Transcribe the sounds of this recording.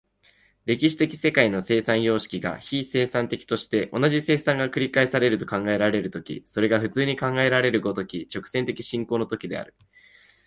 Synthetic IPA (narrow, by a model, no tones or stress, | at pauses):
ɾe̞kʲiɕi̥t̪e̞kʲi̥se̞kaino̞se̞ːsãɰ̃jo̞ːɕi̥kʲiɡa̰çise̞ːsãnt̪e̞kʲi̥t̪o̞ɕi̥t̪e̞ʔo̞naʑise̞ːsãŋɡakɯ̟ɾʲikaisaɾe̞ɾɯ̟t̪o̞kãŋɡae̞ɾaɾe̞ɾɯ̟t̪o̞kʲḭso̞ɾe̞ɡaɸɯ̟t͡sɨːɲ̟ikãŋɡae̞ɾaɾe̞ɾɯ̟ɡot̪o̞kʲit͡ɕo̞kɯ̟̥sent̪e̞kʲi̥ɕĩŋkoːno̞t̪okʲid̪e̞̰a̰ɾɯ̟